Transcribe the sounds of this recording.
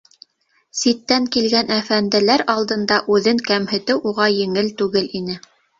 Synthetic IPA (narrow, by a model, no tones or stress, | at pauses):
sit̪ːæŋkilɡænʔæfænd̪ɘ̆læɾɑlˠd̪ɤ̆nd̪ɑʔʉðɘŋkæmhɘ̆t̪ɘwʔuʁɑjɘ̆ŋɘlt̪ʉɡɘlinɘ